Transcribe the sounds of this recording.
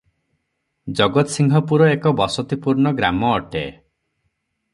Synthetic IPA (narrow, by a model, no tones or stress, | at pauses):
d͡ʒɔɡɔt̪siŋɡʱɔpuɾɔekɔbɔsɔt̪ipuɾɳɔɡɾamɔːʈḛ